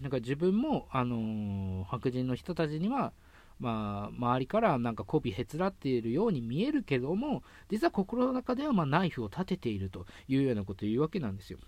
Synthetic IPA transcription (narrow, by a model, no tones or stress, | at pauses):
nãŋkaʑibɯ̟̃mːo̞ano̞hakɯ̟ʑĩnːo̞çi̥t̪o̞t̪at͡ɕiɲ̟iβa | maːmaβaɾʲikaɾanãŋkako̞ːbʲihe̞t͡sɨɾat̪ːe̞ɾɯ̟jo̞ːɲ̟imʲie̞ɾɯ̟ke̞d̪o̞mo̞ | d͡ʑit͡sɨβako̞ko̞ɾo̞no̞nakad̪e̞βamaːnaiɸɯo̞t̪at̪e̞t̪e̞iɾɯ̟t̪o̞jɯ̟ːjo̞ːnako̞t̪o̞iɯːβake̞nãnd̪e̞sɨjo̰